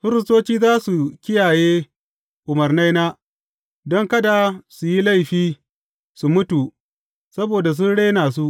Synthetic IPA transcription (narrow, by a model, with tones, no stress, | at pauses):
ɸɪ˦ɾɪ˦stoː˦t͡ʃiː˦zaː˦su˨kʲɪ˦jaː˨jeː˦ | ʔʊ˨mɐ˨rna˦jnaː˦ | dɔ˦ŋkɐ˦da˨su˨ji˦la˦˨jɸiː˦ | su˨mʊ˦tu˨ | sɐ˦boː˨da˨s̬ʊ˦nɽeː˦naː˨s̬u˦ʔ